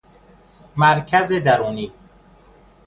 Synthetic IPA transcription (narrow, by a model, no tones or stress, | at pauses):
mæɾcʰæzed̪æɾuːniː